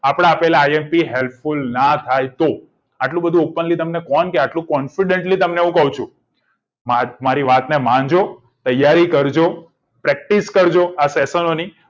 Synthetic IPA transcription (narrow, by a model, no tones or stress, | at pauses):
apɽ̃aːpelaːjempiɦelpfulnat̪ʰajt̪o | aʈlũbəd̪ʱũopənlit̪əmnekɔnkeaʈlũkɔnfiɖeɳʈlit̪əmneũkəɦũt͡ʃʰũ | mamaɾiʋat̪nemãnd͡ʒo | t̪əjːaɾikəɾd͡ʒo | pɾɛk̚ʈiskəɾd͡ʒoasesənoni